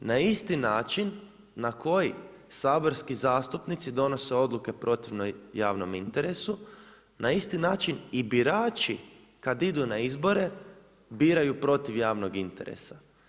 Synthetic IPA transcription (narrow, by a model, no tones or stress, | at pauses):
naist̪inaːt͡ʃinː | ako̞ji | saːbo̞ɾskizaːst̪upnit̪sid̪o̞no̞se̞o̞d̪lˠuke̞pɾo̞t̪iʋnojaːʋno̞mint̪e̞ɾe̞su | nʔaist̪inaːt͡ʃinibiɾaːt͡ʃi | kad̪id̪unaizbo̞ɾe̞ | biːɾajupɾo̞t̪iʋjaːʋno̞ɡint̪e̞ɾḛsa